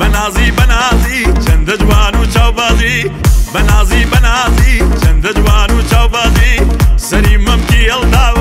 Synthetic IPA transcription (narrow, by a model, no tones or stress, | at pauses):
bɐnaːziːbɐnaːziːt͡ʃɐnd̪ɐd͡ʒwaːnut͡ʃaːwbaːzɾibɐnaːziːbɐnaːzit͡ʃɐnd̪ɐd͡ʒwaːnut͡ʃaːwbaːzisɐɾiːmɐmkiɐlt̪aː